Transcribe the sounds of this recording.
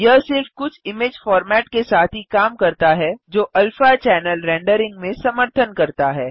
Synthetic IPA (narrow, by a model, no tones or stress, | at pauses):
jɐɦsɪɾfkʊt͡ʃʰɪmeːd͡ʒfɔːɾmɛːʈkesaːt̪ʰɦikaːmkɐɾt̪aɦɛd͡ʒoːʔɐlfat͡ʃɛːnəlɾɛ̃ːɳɖəɾɪ̃ŋɡ̚mẽsɐməɾt̪ʰənkɐɾt̪aɦɛː